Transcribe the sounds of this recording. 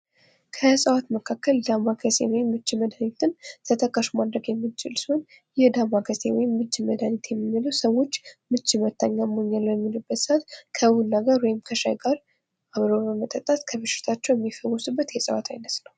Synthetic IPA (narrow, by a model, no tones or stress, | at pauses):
kʰəsʼəwat̪məkʰakːəld̪amːakʰəsewɔjɪmːɨt͡ʃːiməd̪anit̪ʰɨnt̪ʰət̪ʰəkʼaʃimad̪ɾəɡjɛmːit͡ʃɪlswn | jɛhd̪amːakʰəsewɔjɪmːɨt͡ʃːiməd̪anit̪jɛmːimːɨləwsəwo̞t͡ʃːmɨt͡ʃːimət̪ːaɲːamoɲːaljɛmːilubːət̪sat̪kʰəwunːaɡaɾwɔjɪmkʰəʃa̰jɡaɾ | ʔaβɾobəmət̪ʼət̪ʼat̪kʰəβɨʃɪ̥t̪ʰat͡ʃːɛwjɛmːifəwosɨbːət̪jɛsʼəwa̰t̪ʰajnəsnəw